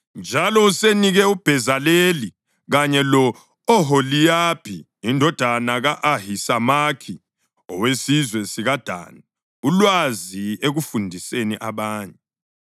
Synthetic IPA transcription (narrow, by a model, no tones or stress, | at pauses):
nd͡ʒʱalɔuseniɣɛub̥ʱɛzaleli | ɣaɲɛlɔ | ɔɦolijapʰiː | ndʱɔd̥ʱanaɣaʔahisamakʰi | ɔ̰wesizwɛsiɣad̥ʱa̰ːna | ulwazieɣufundʱiseniʔaβaːɲɛ